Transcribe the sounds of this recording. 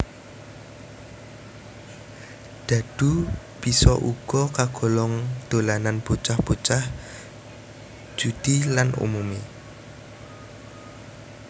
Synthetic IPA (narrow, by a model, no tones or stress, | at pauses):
d̪̥a̤d̪̥u | b̥isɔʔuɡ̥ɔkaɡ̥ɔ̤lɔŋd̪̥olananb̥ot͡ʃahb̥ot͡ʃah | d͡ʒ̥ud̪̥ilanṵmume